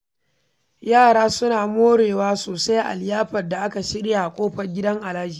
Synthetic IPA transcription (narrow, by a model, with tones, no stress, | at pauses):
jaː˦˨ɽaː˦sʊ˦naː˨moː˦ɽeː˨waː˦soː˨sa˦jʔa̰˨ljaː˦ɸɐ˨rda˨ʔa˦ka˨ʃɪ˦ɽja˨kʷʼoː˦ɸɐ˨rɡʲɪ˦dɐ˦ŋʔa˨laː˦d͡ʒiː˨